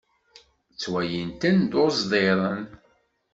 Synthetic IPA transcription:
t͡sːwæjənt̪ænd̪ozðˤeɾˤən

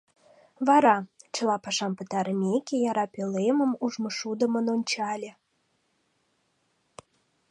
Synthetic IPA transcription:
βɑɾɑt͡ɕə̆lˠɑpɑʃɑmpət̪ɑɾəmʲekʲejɑɾɑpʲelemə̆muʒmɤʃud̪ə̆mə̆nonʲt͡ɕɑlʲĕ

